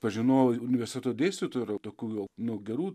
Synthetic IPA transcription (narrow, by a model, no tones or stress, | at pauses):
pɐʒʲɪnoːjʊnʲɪʋʲɛɾsʲt̪ʲɛtoːd̪ʲeːsʲt̪ʲit̪oːɾot̪oːkʲuːjɛʊnʊɡʲɛɾuː